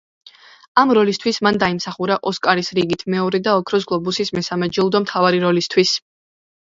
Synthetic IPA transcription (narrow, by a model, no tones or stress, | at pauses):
amɾɔlist̪ʰwismand̪aimsaχuɾaʔɔskʼaɾisɾiɡit̪ʰmɛɔɾɛd̪aɔkʰɾɔsɡlˠɔbusismɛsamɛd͡ʒilˠd̪ɔmt̪ʰavaɾiɾɔlist̪ʰwis